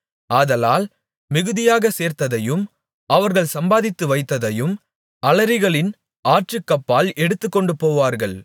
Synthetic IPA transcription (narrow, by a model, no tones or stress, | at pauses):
aːðɐlaːl | mɪɣɯðɪjaːɣɐseːɾt̪ɐðɐjɯm | ɐʋɐɾɣɐɭsɐmbaːðɪt̪ːɯʋɐɪt̪ːɐðɐjɯm | ɐlɐɾɪɣɐɭɪn | aːʈt͡ʃrɯkːɐpːaːlɛɽɯt̪ːɯkːɔɳɖɯpoːʋaːɾɣɐɭ